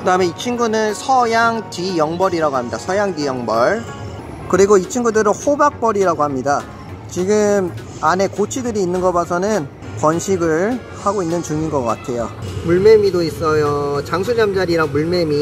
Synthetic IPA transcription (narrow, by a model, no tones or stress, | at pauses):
kɯdaɯmeit͡ɕʰinɡunɯnsʰʌjaŋtijʌŋbʌɾiɾaɡohamɲidasʰʌjaŋtijʌŋbʌɭ | kɯɾiɡoit͡ɕʰiŋɡudɯɾɯnhobak̚p͈ʌɾiɾaɡohamɲida | t͡ɕiɡɯm | ane̞kot͡ɕʰidɯɾiːnːɯnɡʌbasʰʌnɯn | kwʌnɕʰiɡɯɭ | haɡoinːɯnt͡ɕuŋinɡʌkk͈a̰tʰe̞jomuɭme̞midois͈ʌjot͡ɕaŋsʰud͡ʑamd͡ʑaɾiɾaŋmuɭmemi